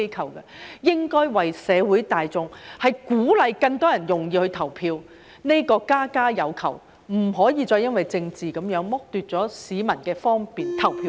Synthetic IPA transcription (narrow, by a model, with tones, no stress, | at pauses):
jkʰɐ˨˩wkɐ˧jɪ˥ŋkɔː˥jwɐ˨jsɛː˨˧wuː˨˥jt̪aː˨jt͡sʊ˨ŋhɐ˨jkuː˨˥lɐ˨˧jkɐ˧ŋt̪ɔː˥jɐ˨˩njʊ˨˩ŋjiː˧hɵ˧ɥt̪ʰɐ˨˩wpʰiː˧w | ne˥kɔː˧kaː˥kaː˥jɐ˨˧wkʰɐ̰˨˩w | m̩˨˩ɦɔː˨˥jiː˨˧t͡sɔː˧jɐ˥nwɐ˨jt͡sɪ˧ŋt͡siː˨˩kɐ˨˥mjœː˨˥ŋmʊ˥k̚t̪yː˨t̚t͡sɔː˨˥siː˨˥mɐ˨˩nkɛː˧fɔː˥ŋpiː˨nt̪ʰɐ˨˩wpʰiː˧